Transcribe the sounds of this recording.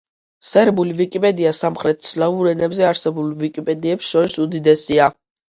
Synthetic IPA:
sɛɾbulivikʼipʼɛd̪iasamχɾɛt̪̚sʰlavuɾɛnɛbzɛaɾsɛbulˠvikʼipʼɛd̪iɛpsʃɔɾisud̪id̪ɛsia

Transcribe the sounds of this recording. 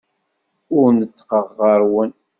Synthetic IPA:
ʊɾnət͡sːqəʁːəɾˤwən

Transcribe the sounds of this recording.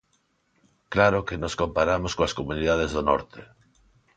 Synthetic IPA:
klaɾokenoskompaɾamoskoaskomuniðaðezðonɔ̰ɾt̪e

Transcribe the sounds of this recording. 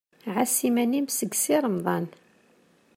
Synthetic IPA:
ʕasimænimsəɡsiɾˤəmðˤɑn

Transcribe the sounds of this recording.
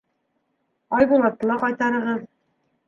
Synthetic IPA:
ɒjbulˠɑt̪ːɤ̆lˠɑqɒjt̪ɑɾɤ̆ʁɤð

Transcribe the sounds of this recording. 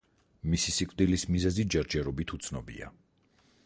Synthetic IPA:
misisikʼvd̪ilismizɛzid͡ʒaɾd͡ʒɛɾɔbit̪ʰut̪sʰnɔbḭa̰

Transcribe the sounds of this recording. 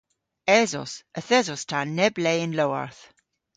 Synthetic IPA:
ɛzɔ̰səθɛzɔstʰanːɛblɛɪnlowa̰ɹθ

